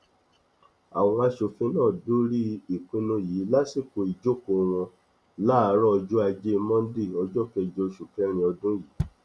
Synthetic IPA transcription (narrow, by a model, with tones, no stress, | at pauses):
a̰˨w̃ɔ̃˧a˧ʃo˨fĩ˧˦nãː˦˨dũ˦ɾi˦i˨k͡pĩ˧˦nũ˧ji˨˦la˦si˦˨ko˧˨i˨d͡ʒo˦ko˨˧w̃ɔ̃˧ | la˦˨˧ɾɔ˦ɔ˧d͡ʒu˦a˧d͡ʒe˦˧mɔ̃˦n̩˦de˦˨ɔ˧d͡ʒɔ˦kɛ˧d͡ʒo˧ʃu˨kɛ˦ɾ̃ĩ˧ɔ˧dũ˦ji˨˦